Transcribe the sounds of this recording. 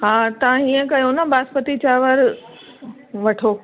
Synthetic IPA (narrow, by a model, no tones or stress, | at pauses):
ɦãːt̪ɐʋãɦĩːə̃kɐjonɐbaːspət̪it͡ɕaːʋəɾ | ʋɐʈʰoː